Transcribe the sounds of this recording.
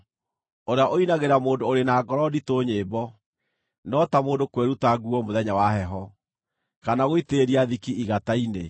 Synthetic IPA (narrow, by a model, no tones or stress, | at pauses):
oɾeaʔoinaɣeɾamoːndoːɾenaːɡɔɾɔditoɲeːbɔ | nɔtamoːndokweɾutaɡuɔmoðɛɲawaɦɛɦɔ | kanaɣoiteɾiaðikiiɣataine